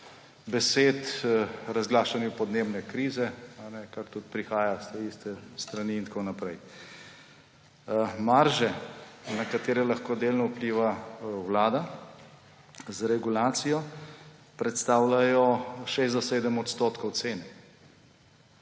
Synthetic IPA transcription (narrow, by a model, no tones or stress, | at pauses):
bɛseːt̪ɾazɡlaːʃanjupɔd̪neːbnɛkɾiːzɛanɛkakt̪ut̪̚pɾixaːjast̪ɛist̪ɛst̪ɾaniːnt̪konapɾɛj | maɾʒɛnakat̪eːɾɛlaxkoːd̪eːlnɔupliːʋawlaːd̪a | zɾɛɡulaːt̪sijɔ | pɾɛt̪st̪aːwlajɔʃezd̪ɔseːd̪əmɔt̪st̪ot̪kɔwt̪seːnɛ